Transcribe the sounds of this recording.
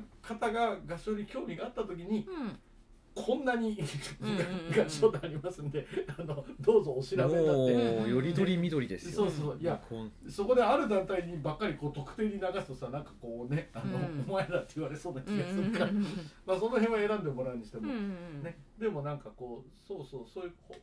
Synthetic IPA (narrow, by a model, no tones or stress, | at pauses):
kʰat̪aɡaɡaɕoɾʲikʲo̞ːmʲiɡaːt̪ːat̪o̞k̬ʲiɲ̟i | kʰõ̞nːaɲ̟iɡaɡaɕoːd̪eaɾʲimasɨ̃nd̪e̞anod̪o̞ːzo̞ːɕiɾabet̪at̪ːejoɾioɾʲimʲid̪oɾʲid̪esso̞ːsoːsjaso̞ko̞d̪e̞aɾɯ̟d̪ãnt̪aiɲ̟ibakːaɾʲiko̞ːt̪o̞kɯ̟̥t̪e̞ːɲ̟inaɡasɨ̥t̪o̞sanãŋkḁko̞ːne̞anoːmaed̪at̪ːe̞ɯβaɾe̞so̞ːnakʲiɡasɨɾɯkamaso̞no̞ɦẽβae̞ɾãnd̪e̞mo̞ɾa̟ɲ̟iɕi̥t̪emone̞d̪e̞mo̞nãŋkako̞ːso̞ːso̞ːso̞ːjɯ̟ko